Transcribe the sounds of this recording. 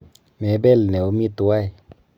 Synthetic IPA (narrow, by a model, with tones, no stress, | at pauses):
me˨˦bɛ˦˨lne˨u˨˦mi˦t̪u˨˦wa˦j